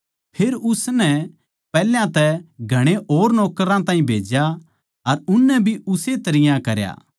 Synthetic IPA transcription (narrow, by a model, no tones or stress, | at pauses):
pʰeːɾʊsnɛ | pɛːljãt̪ɛɡʱɐɽ̃eoːɾnɔːkɾãt̪ãːĩbʱeːd͡ʒja | ɐɾʊnːɛbʱiʊset̪ɐɾɪjãkɐɾja̰ː